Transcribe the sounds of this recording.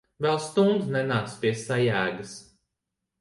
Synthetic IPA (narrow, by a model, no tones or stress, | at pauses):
vɛlˠst̪und̪znɛnaːk̪spʲiɛsajæːɡɨs